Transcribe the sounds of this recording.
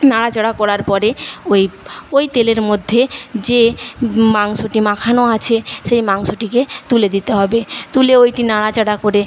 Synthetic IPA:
naɽat͡ɕaɽakɔɾaɾpɔɾeojojt̪eleɾmod̪ʱːed͡ʑemaŋsoʈimakʰanoat͡ɕʰeʃejmaŋsoʈiket̪uled̪it̪eɦɔbet̪uleojʈinaɽat͡ɕaɽakoɾe

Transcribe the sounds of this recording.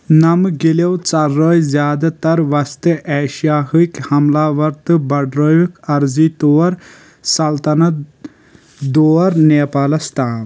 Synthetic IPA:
nɐmɡilewt͡sɐɾːəːjzjaːd̪at̪ɐɾʋɐst̪ɨʔɛːʃijaːɦɨjkhɐmlaːʋɐɾt̪ɨbɐɖɾəjukɐɾziːt̪oːɐɾ | sɐlt̪ɐnɐt̪ | d̪oːɐɾneːpaːlɐst̪aːn

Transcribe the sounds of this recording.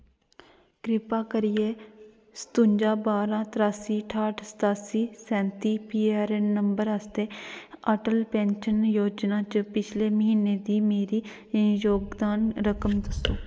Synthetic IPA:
kɾɪpaːkəɾɪjeː | sə̥t̪ʊ̃ɲd͡ʒaːbaːɾãːt̪ɾaːsiːʈʰaːʈsə̥t̪aːsiːsɛ̃ːnt̪iːpiːaːɾɛnəmbəɾəst̪eːəʈəlpɛ̃ːnʃənjoːd͡ʒnaːt͡ʃpɪt͡ʃʰleːməɦiːneːd̪iːmeːɾiː | joːɡd̪aːnɾəkəmd̪əsoː

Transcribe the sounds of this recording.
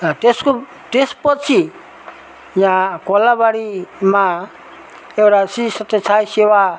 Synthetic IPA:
ʈesku | ʈespɔt̚t͡ʃʰi | ijakɔlabaɽima | ɛwɾasisɔtet͡ʃʰajsɛwa

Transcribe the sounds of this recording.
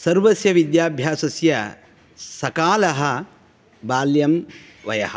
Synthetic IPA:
sɐɾʋɐsjɐʋid̪jaːbʱjaːsɐsjɐ | sɐkaːlɐɦɐ | baːljɐm | ʋɐjɐ̰hɐ̥̰̆

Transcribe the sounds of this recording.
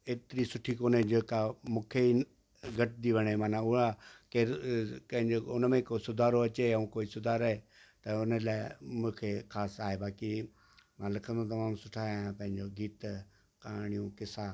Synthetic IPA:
eːt̪ɪɾisʊʈʰikoːned͡ʑeːkamũːkʰei | ɡʱɐʈd̪iʋɐɽ̃emaːnãʊakeːɾpɐ̃ɦɪ̃ɲd͡ʑoʊnəmẽkoːsʊd̪ʱaːɾoɐt͡ɕeɐũkoːisʊd̪ʱaːɾɐɦe | t̪ɐʊnəlaːɪmũːkʰexʰaːsaːɦebaːki | mãlɪkʰə̃nd̪õt̪ɐmãːmsʊʈʰaːãpɐ̃ɦɪ̃ɲd͡ʑoɡiːt̪ | kaːɽ̃ijũkɪsa

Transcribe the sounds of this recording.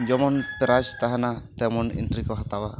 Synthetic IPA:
d͡ʒɔmɔnpɛɾast̪aɦanat̪ɛmɔnḭntɾikɔɦat̪awa

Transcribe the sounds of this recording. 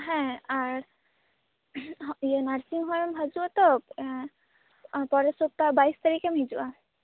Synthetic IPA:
ɦɛ̃aɾ | ijenaɾsiŋɦɔmbʱad͡ʒuat̪ɔ | pɔɾesok̚t̪abajst̪aɾikemɦid͡ʒua

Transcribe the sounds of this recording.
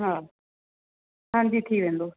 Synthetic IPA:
ɦãː | hʰãnd͡ʑit̪ʰiːʋẽːnd̪oː

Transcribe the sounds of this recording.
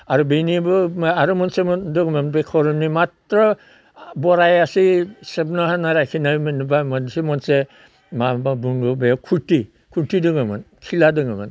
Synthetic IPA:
aɾubenibɯmaɾumɔnsemɔndɯɡmanbekʰɔɾɔmnimatɾɔ | bɔɾajasisebnɔhanaɾajkʰinajmɯnibamɔnsemɔnse | mababuŋɡɔbejakʰuti | kʰutidɯŋɯma̰n | kʰiladɯŋɯma̰n

